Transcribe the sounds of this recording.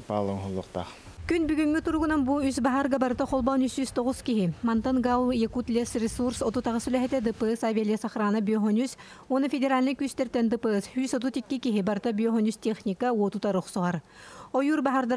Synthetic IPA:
paːlˠɯŋɦulˠːuqt̪a̰χ | kynbyɡyŋːyt̪uɾuɡunanbuysbaɦaɾɡabaɾɯt̪aχɔlˠbɔnysyst̪ɔʁuskiɦimɐnt̪ɐnɡawjɛkut̪lʲɛsrʲesursɔt̪ut̪aʁasylʲɛɦɛt̪ɛd̪ɯpɯsaːvʲalʲijɐsaχɾaːnabyɔɦɔnys | uɔnufʲedʲeɾalʲnɯkyːst̪ɛɾt̪ɛnd̪ɯpɯshyːsɔt̪̬ut̪ikːikiɦibaɾɯt̪abyɔɦɔnyst̪ʲeχnʲikauɔt̪ut̪aɾuχsuʁaɾɔjuːɾbaɦaɾd̪a

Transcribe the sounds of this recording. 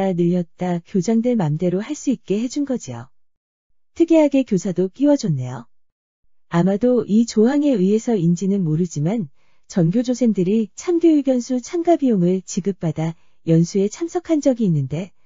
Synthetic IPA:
anɯʎːʌt̚t͈akjod͡ʑaŋdweɭmamde̞ɾohaɭs͈uit̚k͈e̞ɦe̞d͡ʑunɡʌd͡ʑijo̰ | tʰɯɡiɦaɡe̞kjosʰadok͈iwʌd͡ʑʌnːe̞jo | amadoʔit͡ɕoɦaŋe̞iɦe̞sʰʌind͡ʑinɯnmoɾɯd͡ʑiman | t͡ɕʌnɡjod͡ʑosʰe̞ndɯɾit͡ɕʰamɡjoiɡjʌnsʰut͡ɕʰamɡabijoŋɯɭt͡ɕiɡɯp̚p͈ada | jʌnsʰue̞t͡ɕʰamsʰʌkʰand͡ʑʌɡiːnːɯnde̞

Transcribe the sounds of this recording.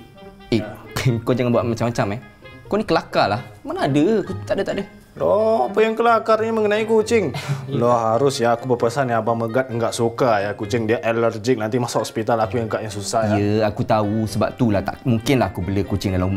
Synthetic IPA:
ekod͡ʒaŋabuaʔmat͡ʃamːat͡ʃamɛ | konikəlakalahmanaadəakut̪aʔdət̪aʔdə | lɔapəjaŋkəlakaɾɲəməŋənãikut͡ʃɪŋlɔhaɾʊsjaːkubəpəsaniabaməɡat̪̚əŋɡaʔsukajakut͡ʃɪŋdiaʔɛlərd͡ʒɪk̚nãnt̪imasahɔspit̪alakujaɡaʔjaŋsusaijəakut̪ausəba̰p̚t̪ulaht̪a̰ʔmuŋkɪnlahakubəlikut͡ʃɪŋdalaum

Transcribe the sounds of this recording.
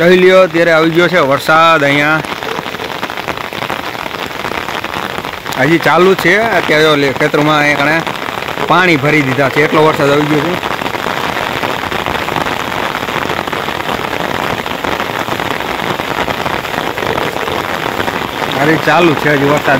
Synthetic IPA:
kəilijoət̪̬jaɾeaʋiɡjot͡ʃʰeʋəɾsad̪əjã | əd͡ʒit͡ʃalũt͡ʃʰeət̪jaɾolkʰet̪ɾəmãəãkəɳepaɽ̃ibʱəɾid̪id̪ʱat͡ʃʰeːʈloʋəɾsad̪aʋiɡjot͡ʃʰe | əɾit͡ʃalut͡ʃʰeɦəd͡ʒiʋəɾsa

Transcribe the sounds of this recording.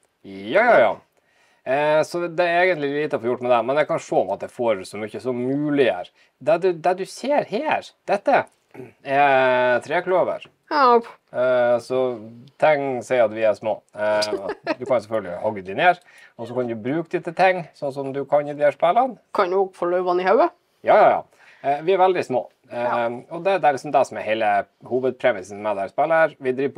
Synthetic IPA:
jjɑ̰ | sɔd̪ɛæɾeːɡənt̪lɪliːt̪əɔfoːjʊʈːmɛd̪ɛmɛnjækɑnʂoːɔmɑt̪̚d̪ɛfoːɾʉsɔmʏçːəsɔmʉːlɪæ̰ɾ | d̪ɛɖʉd̪ɛɖʉseːɾheːɾd̪̥ɛt̪ːə | ɛt̪ʰɾeːkløːʋə̰ɾ | sɔt̪ʰɛŋsɛɪɑt̪ʋɪæʂmo̰ː | d̪ʉkɑnʊsɛfœlɡəlɪ̰hɔɡːəd̪ɪneːɾ | ɔsɔkɑnd̪ʉbɾʉːkd̪ɪt̪ːət̪ʰɛŋːsɔnːs̬ɔmd̪ʉkʰɑnjɪd̪ɪhæʂpɛlːənkʰɑnnuːɡfɔɭœʏʋɑnɪhɑʉə | jɑːjɑːjɑ̰ː | ʋɪæɾʋɛld̪ɪsmo̰ː | ɔd̪ɛd̪ɛɾɭɪksɔmd̪ɛsɔmɛhɛɪlə | huːʋəd̪̚pʰɾɛmɪsn̩mɛd̪æɾspɛlːəɾʋɪd̪ɾiːp

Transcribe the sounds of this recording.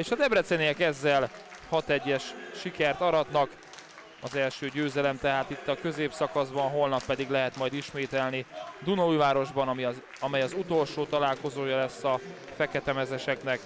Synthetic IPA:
eːʃɒd̪ɛbrɛt̪senejɛkɛzːɛl | hɒt̪ɛɟːɛʃʃikɛrt̪ɒɾɒt̪nɒk | ɒzɛlʃøːɟøːzɛlɛmt̪ɛɦaːt̪it̪ːɒkø̞zeːpsɒkɒzbɒnɦo̞lnɒpːɛd̪iɡlɛɦɛt̪mɒjd̪iʃmeːt̪ɛlnid̪unɒujvaːɾo̞ʒbɒnɒmi | ɒmɛjɒzut̪o̞lʃoːt̪ɒlaːlko̞zoːjɒlɛsːɒ | fɛkɛt̪ɛmɛzɛʃɛknɛk

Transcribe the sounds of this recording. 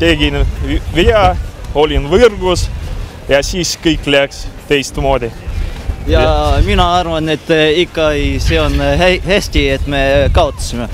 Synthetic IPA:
t̪eɡ̥inveɑo̞lʲinvɯrɡ̥us | jɑsiːskɤjkːˑleækst̪e̞jst̪mo̞ːd̪ʲi | jɑminɑɑrvɑne̞t̪ːikːɑseonɦæhæsʲt̪ʲiet̪mekɑot̪ːu̥sime

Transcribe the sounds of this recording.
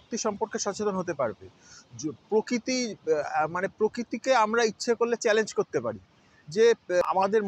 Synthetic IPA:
k̚t̪iʃɔmpoɾkeʃɔt͡ɕet̪onɦot̪̬epaɾbḛ | pɾokɾit̪i | manepɾokɾit̪ikeamɾaitːɕʰekolːet͡ɕɛlend͡ʑkoɾt̪epaɾi | d͡ʑea̰mad̪eɾ

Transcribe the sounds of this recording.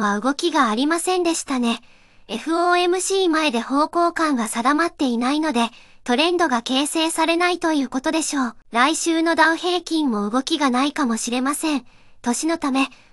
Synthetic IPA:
βaɯ̟ɡo̞kʲiɡaːɾʲimasẽ̞nd̪e̞ɕi̥t̪ane̞ | eɸɯ̟oːe̞mɯ̟ɕiːmae̞d̪e̞ho̞ːko̞ːkãŋ̃ɡasad̪amat̪ːe̞inaino̞d̪e̞t̪o̞ɾẽ̞nd̪o̞ɡake̞ːse̞ːsaɾe̞nait̪o̞jɯ̟ːko̞t̪o̞d̪e̞ɕo̞ːɾaiɕɨːno̞d̪aɯ̟he̞ːkʲĩmːo̞ɯ̟ɡo̞kʲiɡanaikamo̞ɕiɾe̞masẽ̞n | t̪o̞ɕino̞t̪ame̞

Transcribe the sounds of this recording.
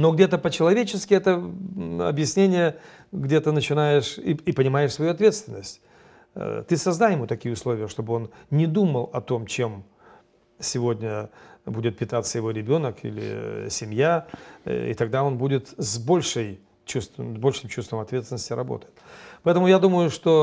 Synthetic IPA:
no̞ɡdʲe̞t̪əpət͡ɕɪlˠɐvʲet͡ɕɪskʲɪɛt̪ə | ɐ̰bjɪsʲnʲenʲɪjə | ɡdʲe̞t̪ənət͡ɕɪnajɪʂipənʲɪmajɪʂsvɐjuɐt̪vʲet̪st̪vʲɪnːəsʲtʲ | t̪ɨsɐzd̪ajɪmut̪ɐkʲijəʊslˠo̞vʲɪjəʂt̪o̞bɨo̞nnʲɪd̪uməlˠɐt̪o̞mt͡ɕem | sʲɪvo̞dʲnʲəbudʲɪt̪̚pʲɪt̪at̪sːəjɪvo̞ɾʲɪbʲo̞nəkʰḭlʲɪ̰sʲɪmʲja | ḭt̪ɐɡ̚d̪ao̞nbudʲɪt̪zbo̞lʲʂɨj | t͡ɕust̪vəbo̞lʲʂɨmt͡ɕust̪vəmɐt̪vʲet̪sʲɪnəsʲtʲɪɾɐbo̞̰t̪əjɪt̪pɐɛt̪əmʊjad̪uməjʊʂt̪o̞

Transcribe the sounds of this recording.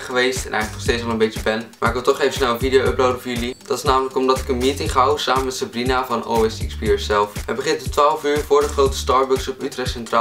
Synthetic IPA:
χəʋejstɛ̰nʔɛ̰jχləknɔχstejtsɑlˠənmbecəbɛnmaːɹɪkʋɪlˠtɔχejvəsnɛlˠənvidijowəprawdəvʊːɹjylid̥ɑtɪ̥snaːmələkɔmdɑtɪ̥kənmiːtɪŋχɦawsaːmənmɛtsabrinavɑno̰ɪsɪ̰kspiːɹsɛlˠfʋəbəχɪntətʋaːlˠfyːɹvʊːɹdəχrowtə̥stɑːɹbʊksɔpytrɛχsɛntraː

